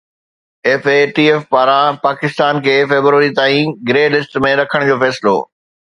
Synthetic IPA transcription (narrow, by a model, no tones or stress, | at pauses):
eːfeʈiːeːfpaːɾãpaːkɪst̪aːnkʰeːfeːbɾuʋəɾit̪aːĩɡɾeːlɪsʈmẽɾɐkʰəɽ̃d͡ʑoːfɛːsɪlo̰ː